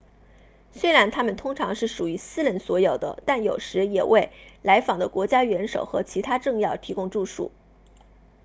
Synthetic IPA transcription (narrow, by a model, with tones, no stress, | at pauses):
swe˥ɪɻa˧˥nt̪ʰa˥mə˨nt̪ʰʊ˥ŋʈ͡ʂʰɑ˧˥ŋʂɻ̩˥˩ʂu˨˩y˧˥sɹ̩˥ɻə˧˥nswɔ˧˥jo˨˩ʊd̪ə̰˦t̪a˥˩njo˨˩ʊʂɻ̩˧˥jɛ˨˩wʔe˥˩ɪla˧˥ɪfɑ˨˩ŋd̪ə˦kwɔ˧˥t͡ɕja˥ɥɛ˧˥nʂo˨˩ʊxɤ̰˧˥t͡ɕʰi˧˥t̪ʰa˥ʈ͡ʂɤ˥˧ŋjɑ˥˩ʊt̪ʰi˧˥kʊ˥ŋʈ͡ʂu˥˧ʂṵ˥˩